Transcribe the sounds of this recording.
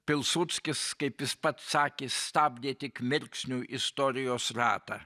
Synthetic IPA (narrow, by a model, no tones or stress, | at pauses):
pʲɪlˠsʊt̪sʲkʲɪskɐɪpjɪspɐt̪sɑːkʲeːst̪ɑːbʲd̪ʲeːt̪ʲɪkmʲɪɾʲksʲnʲuːʔɪst̪oːɾʲɪjoːsɾɑ̰ːt̪ɑ̰